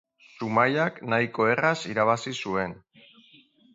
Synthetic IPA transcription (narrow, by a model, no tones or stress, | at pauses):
sumajaknajko̞e̞rasiɾaβ̞asisue̞n